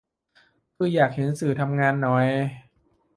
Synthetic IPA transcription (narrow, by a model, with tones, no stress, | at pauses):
kʰɯː˧jaː˨˩k̚he˩˦nsɯː˨˩t̪ʰa˧mŋaː˧nːɔ˨˩j